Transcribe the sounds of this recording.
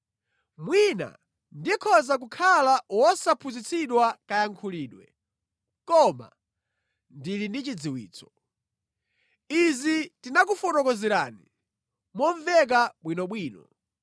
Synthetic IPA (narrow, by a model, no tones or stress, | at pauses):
mwina̰ | ndikʰɔzak̬ukʰalawɔsapʰuzit͡siɗwakajaŋkʰuliːɗwɛ̰ | kɔma̰ | ndilindit͡ʃid͡ziwḭːt͡sɔ̥ | izitinak̬ufɔtɔkɔzɛɾaːni | mɔɱvɛk̬aɓwinɔɓwiːnɔ